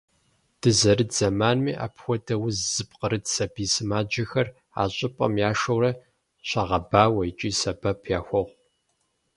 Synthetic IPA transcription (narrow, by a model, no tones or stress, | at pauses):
d̥ɨzɐɾɨdz̥ɐmaːnmiːʔa̰ːpxʷɔdɐwʊzzɨpqəɾɨdsɐbiːsɨmaːd͡ʒɐxɐr | a̰ːɕʼɪpʼɐ̰mjaːʂɐwɾɐ | ɕɐʁɐbaːwɐjɪt͡ʃʼiːsɐbɐpʰjaːxʷɔʁʷ